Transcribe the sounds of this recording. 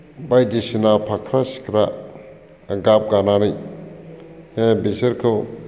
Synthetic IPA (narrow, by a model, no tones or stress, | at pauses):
bajdisinapʰakʰɾasi̥kʰɾa | ɡap̚ɡananij | ebeseɾkʰɯw